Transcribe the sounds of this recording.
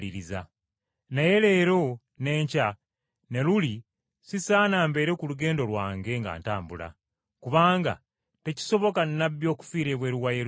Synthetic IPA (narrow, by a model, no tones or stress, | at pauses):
liɾiza | naje̞le̞ːɾo̞ | ne̞ːɲca | ne̞luli | sisaːnaːmbe̞ːɾe̞kuluɡe̞ːndo̞lwaːŋɡe̞ŋɡa̰ːntaːmbula̰ | kuβaːŋɡa̰ | te̞ci̥so̞βo̞kannaβjo̞ːku̥fiːɾeβweɾuwajeɾ